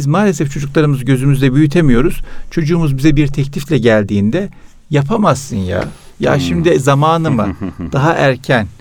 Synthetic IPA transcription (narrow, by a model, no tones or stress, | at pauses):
izmaːlʲesɛft͡ʃʰo̞d͡ʒuklˠaɾɯmɯzɟø̞zymyzd̪ɛbyjyt̪ʰemijo̞ɾuz̥t͡ʃʰo̞d͡ʒuːmuzbizɛbiɾt̪ʰɛclʲiflʲɛɟælʲd̪iːnd̪ɛ | japʰamasːɯnja̰ | ja̰ːʃimd̪izamaːnɯmɯ̰d̪̥aɦaʔæɾcʰæn